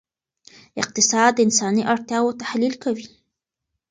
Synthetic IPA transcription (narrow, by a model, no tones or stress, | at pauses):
ɪq̚t̪ɪsɑd̪ːəɪnsɑniʔaɽt̪jɑwot̪ahlilkawi